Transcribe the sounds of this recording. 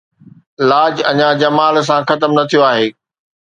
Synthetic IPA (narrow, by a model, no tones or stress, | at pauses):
laːd͡ʑɐ̰ɲãd͡ʑɐmaːls̬ãxɐt̪əmnɐt̪ʰijoaːɦeː